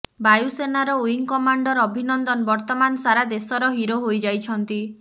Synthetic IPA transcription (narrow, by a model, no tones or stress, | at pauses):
bajusenaɾɔuiŋkɔmaɳɖɔɾɔbʱinɔnd̪ɔnbɔɾt̪ɔmansaɾad̪esɔɾɔɦiɾoɦojd͡ʒajt͡ʃʰɔnt̪i